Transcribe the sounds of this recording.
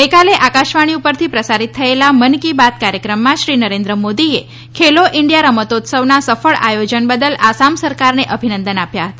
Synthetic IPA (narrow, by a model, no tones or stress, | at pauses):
ɡəjkaleʔakaʃʋaɽ̃iupəɾt̪ʰipɾəsaɾit̪ʰːəelamənkibat̪̚kaɾjəkɾəmːãʃɾinəɾẽnd̪ɾəmod̪ie | kʰeloʔɪɳɖijaɾəmət̪ot̪səʋnasəfəɭʔajod͡ʒənbəd̪əlasamsəɾkaɾneʔəbʱinə̃nd̪ənapjaɦət̪a